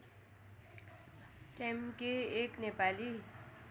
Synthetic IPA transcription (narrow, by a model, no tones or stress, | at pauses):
ʈemkeeːknepali